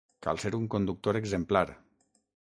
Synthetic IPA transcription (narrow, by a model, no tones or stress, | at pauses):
ka̰lˠseɾuŋkond̪uk̚t̪oɾeɡzemplaɾ